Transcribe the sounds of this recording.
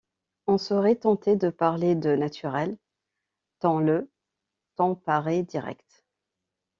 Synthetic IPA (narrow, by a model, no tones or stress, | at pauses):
ɔ̃sɔʁɛt̪ɑ̃t̪ed̪əpaʁled̪ənat̪ʰyʁɛl | t̪ɑ̃lə | t̪ɑ̃paʁed̪iʁɛ̰kt̪